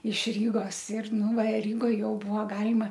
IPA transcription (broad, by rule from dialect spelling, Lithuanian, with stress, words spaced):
ɪʃ ˈrʲiːɡoːs ɪr ˈnʊ ʋɐ ˈrʲiːɡoːj ˈjɛʊ ˈbʊʋoː ˈɡɑːlʲɪmɐ